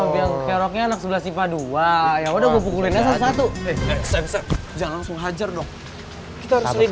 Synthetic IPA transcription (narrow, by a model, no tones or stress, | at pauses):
abiaŋkeɾɔk̚ɲaːnak̚səbəlahsifahduajaudahbuapukulɪnɲasat̪usat̪uɛsɛksɛk | d͡ʒaŋlaŋsʊŋɦad͡ʒardɔŋ | kit̪ahaɾʊsi